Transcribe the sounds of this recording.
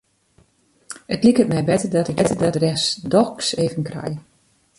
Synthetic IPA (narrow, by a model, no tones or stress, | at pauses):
ətlikətmɛjbɛtədɔtɪkɛtədɔtrɛsdɔkseːvənkrɛ̰j